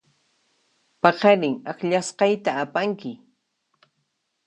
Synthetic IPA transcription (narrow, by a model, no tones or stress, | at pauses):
pɑqɑɾɪŋakʎasqɑjt̪aːpaŋkɪ